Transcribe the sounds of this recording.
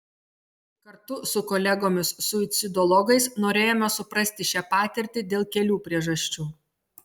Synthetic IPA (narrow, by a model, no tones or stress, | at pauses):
kɐɾt̪ʊsʊkɔlʲɛɡoːmʲɪsːʊt̪sʲɪd̪ɔlˠɔɡɐɪsnoːɾʲeːjoːmʲɛsʊpɾɐsʲt̪ʲɪʃʲæːpɑːt̪ʲɛɾʲt̪ʲɪd̪ʲeːlˠkʲɛlʲuːpʲɾʲiɛʒɐsʲt͡ʃʲuː